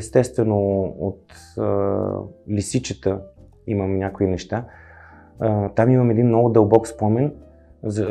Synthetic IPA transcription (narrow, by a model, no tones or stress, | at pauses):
st̪ɛst̪vɛnoo̰t̪ | lisit͡ʃət̪ə | iməmnʲakoinɛʃt̪a | t̪amiməmɛd̪inmːnːɔɡʊd̪əlˠbɔkspɔmɛn | zə